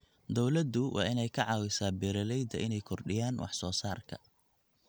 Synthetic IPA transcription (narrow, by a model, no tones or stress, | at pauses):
d̪ɔwlɐd̪ʊwʔɑ̰ːʔɪnɛjkʰɐʕɑːwɪsaːbɛːɾɐlɛjd̪ɐʔɪnɛjkʰɔrɖɪjaːnwʔɑ̰ħsɔːsaːrkʰɐ̰